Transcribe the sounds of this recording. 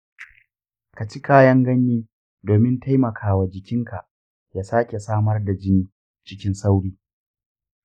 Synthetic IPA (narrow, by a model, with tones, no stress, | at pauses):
ka˨t͡ʃi˦kaː˦jɐ˦ŋɡɐ˦nːiː˦ | doː˨mɪ˦nta˦jmɐ˨kʰaː˦wa˨d͡ʒɪ˨kʲɪ˦ŋka˨ʔ | jaː˦saː˦kʲe˨saː˦mɐ˦rda˨d͡ʒɪ˦niː˨ | t͡ʃɪ˦kʲɪ˦nsa˦wɽiː˦